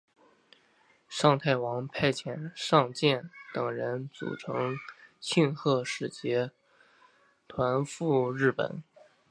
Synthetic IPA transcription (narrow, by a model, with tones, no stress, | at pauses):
ʂɑ˥˧ŋt̪ʰa˥˩ɪwɑ˧˥ŋpʰa˥˧ɪt͡ɕʰjɛ˨˩nʂɑ˥˧ŋt͡ɕjɛ˥˩nt̪ɤ˨˩ŋɻə˧˥nt͡sṵ˨˩ʈ͡ʂʰɤ˧˥ŋt͡ɕʰi˥˧nxʰɤ˥˧ʂɻ̩˥˩t͡ɕjɛ˧˥ | t̪ʰwa˧˥nfu˥˧ɻɻ̩˥˩pə̰˨˩˦n